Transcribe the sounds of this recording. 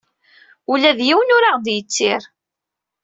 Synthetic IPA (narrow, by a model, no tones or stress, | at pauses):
ulæðjiwnʊɾaʁd̪jət͡sːɪɾ